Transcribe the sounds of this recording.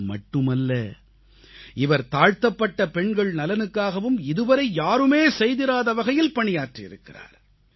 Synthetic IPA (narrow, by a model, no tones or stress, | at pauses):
mɐʈːɯmɐlːɐ | ɪʋɐɾt̪aːɻt̪ɐpːɐʈːɐpɛɳɡɐɭnɐlɐnɯkːaːɣɐʋɯmɪðɯʋɐɾɐɪjaːɾɯmeːsɛjðɪɾaːðɐʋɐɣɐjɪlpɐɳɪjaːʈriɪ̰ɾɯkːɪra̰ːɾ